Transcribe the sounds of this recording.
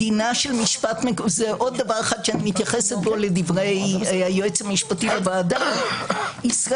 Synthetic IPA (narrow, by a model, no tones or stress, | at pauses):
inaʃelmiʃpatmekzeʔo̞d̪ːavaʁaχad̪ʃeanimit̪jaχe̞set̪̚bo̞ledivʁejajoet͡shamiʃpatibevaːda | isʁa